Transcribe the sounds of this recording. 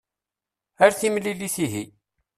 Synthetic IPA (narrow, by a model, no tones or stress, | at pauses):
æɾθimliliθiɦi